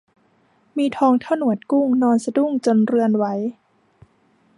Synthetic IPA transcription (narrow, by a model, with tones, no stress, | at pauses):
miː˧t̪ʰɔː˧ŋt̪ʰa˥˩wnu˨˩˦ət̪̚ku˥˩ŋnɔː˧nsa˧du˥˩ŋt͡ɕo˧nɾɯ˧ənwa˩˦j